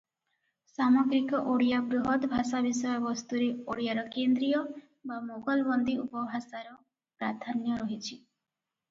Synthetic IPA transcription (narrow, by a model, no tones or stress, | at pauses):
samɔɡɾikɔʔoɽijabɾuɦɔt̪bʱasabisɔjɔbɔst̪uɾeoɽijaɾɔkend̪ɾijɔ | bamoɡɔlbɔnd̪iupɔbʱasaɾɔ | pɾaɾd̪ʱanjɔɾɔɦit͡ʃʰi